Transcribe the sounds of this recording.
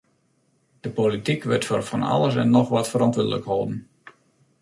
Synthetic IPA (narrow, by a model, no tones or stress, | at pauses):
d̥əpolitikʋɪtfɔrfɔnɑ̰lˠəsɛ̰nːɔxʋɔtfərɔntʋədələ̰kholˠdən̩